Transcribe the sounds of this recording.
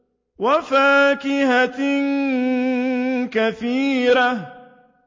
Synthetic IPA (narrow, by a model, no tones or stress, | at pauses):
wafaːkɪɦatɪn | kaθiːɾa